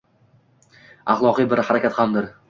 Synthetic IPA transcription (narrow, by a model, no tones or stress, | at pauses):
aχlˠɒqɨjbɪɾhaɾakʲat̪hamd̪ɪɾ